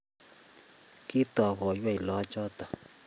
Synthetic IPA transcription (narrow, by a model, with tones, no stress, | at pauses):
ki˦t̪ɔ˨ɣɔ˨jwa˦˨i˨lɔ˨˦t͡ʃɔ˦t̪a˨